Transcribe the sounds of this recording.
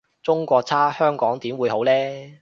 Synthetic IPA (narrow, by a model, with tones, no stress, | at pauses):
t͡sʊ˥ŋkʷɔː˧k̚t͡sʰaː˥hœː˥ŋkɔː˨˥ŋt̪iː˨˥mwuː˨˧jho˨˥wlɛː˥